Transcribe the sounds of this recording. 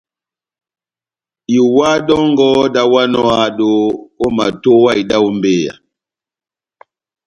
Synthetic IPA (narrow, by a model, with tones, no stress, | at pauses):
i˨wa˦dɔ˦ŋɡɔ˦da˦wa˦nɔ˦a˨ɗo˦o˦ma̰˨to˦wa˦i˨da˦u˦mbeː˦˨ja̰˨